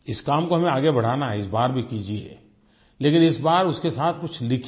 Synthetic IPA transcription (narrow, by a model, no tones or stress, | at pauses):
ɪskaːmkoɦɐmẽaːɡebɐɽ̤aːnaɦɛɪsbaːɾbʱikiːd͡ʒiḛ | leːkɪnɪsbaːɾʊskesaːt̪ʰkʊt͡ʃʰlɪkʰ